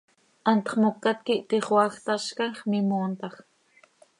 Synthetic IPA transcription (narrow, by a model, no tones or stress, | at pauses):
ʔant̪ɑ̥χmokːat̪̚kɪʔt̪iχwɑχt̪aʃkaŋχmɪmoːnt̪ɑχ